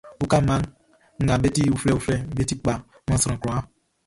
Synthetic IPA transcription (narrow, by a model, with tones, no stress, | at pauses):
u˦ka˦ma˦ŋ | ŋ̩˨ɡa˨be˦ti˦˨u˨fɾɛ˦˨u˨fɾɛ˦m̩˦be˦ti˦k͡pa˨˦mɔ̃˦sɾã˨kɾɔ̃˨a˦